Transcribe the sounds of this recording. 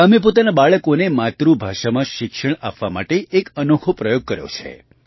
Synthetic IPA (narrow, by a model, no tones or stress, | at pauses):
əmep̬ot̪anabaɭəkonemat̪ɾubʱaʃamãʃɪkʃəɳa̰pʋama̰ʈeːkənokʰopɾəjoɡ̚kəɾjo̰t͡ʃʰḛ